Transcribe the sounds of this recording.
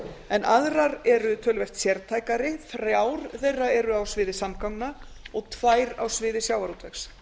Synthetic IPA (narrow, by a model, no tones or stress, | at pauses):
ɛnʔaðɾaɾɛɾʏt̪ʰœːlvɛr̥t̪sjɛɾt̪ʰaːjkaɾɪθɾjaːwɾθejrːaɛɾʏawsvɪːðɪsamkawŋna | ɔɣt̪ʰvaːjɾa̰wsvɪːðɪsjaːwvaɾut̪vɛxs